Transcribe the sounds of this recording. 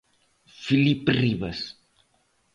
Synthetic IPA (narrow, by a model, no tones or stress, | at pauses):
filipriβɐs